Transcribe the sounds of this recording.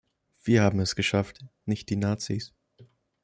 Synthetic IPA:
v̥iːɐhaːbm̩ɛsɡ̥əʃaftnɪçt̚d̥iːnaːt͡siːs

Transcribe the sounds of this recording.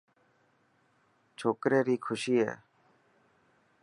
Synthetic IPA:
t͡ʃʰoːkɾeːɾiːkʰʊʃiːɦɛ̰ː

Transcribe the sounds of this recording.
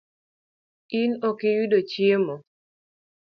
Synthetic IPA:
inɔkɪjudot͡ʃiemɔ

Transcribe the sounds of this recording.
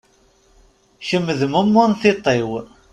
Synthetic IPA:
ʃəmːəðmʊmːʊnθit̪ˤːew

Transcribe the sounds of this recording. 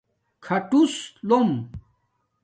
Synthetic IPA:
kʰɐʈuslom

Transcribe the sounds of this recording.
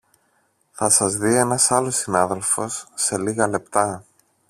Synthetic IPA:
θɐsɐzðie̞nɐsɐlo̞sinɐðe̞lfo̞sːe̞liɣɐle̞pt̪ɐ

